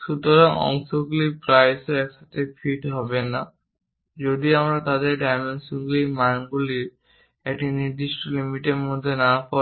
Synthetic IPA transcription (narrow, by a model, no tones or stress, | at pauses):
sutɔɹɔŋɔ̰ŋsɔɡlipɹajsɔɹɛksatɛpʰiʈɦɔbɛna | zodiamɹatadɛɹɖajmensuŋɡlimanbuliɹ | eʈiniɹd̪istɔlimiʈedmɔd̪ʱːɛnapɔ